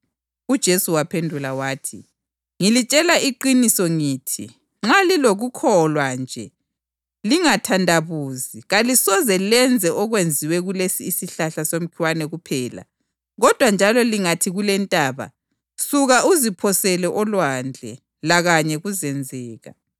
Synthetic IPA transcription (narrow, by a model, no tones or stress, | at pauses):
ud̥ʒ̥ʱesuwapʰendʱulawaːtʰi | ŋilit͡ʃʼɛlaʔiǃinisɔŋiːtʰḭ | ŋ͡ǁaliloɣukʰɔlwand͡ʒʱɛ | liŋatʰandʱaβuːziɣalisɔzɛlɛnd͡zʱɛʔɔɣwend͡zʱiwɛɣulesiːsiɬaɬasom̩kʰiwanɛɣupʰɛːla̰ | ɣɔd̥ʱwand͡ʒʱalɔliŋatʰiɣulɛntʼaːβa̰ | suɣaʔuzipʰɔsɛlɛʔɔlwand͡ɮʱɛ̰ | laɣaɲɛɣuzɛnd͡zʱɛːɣa̰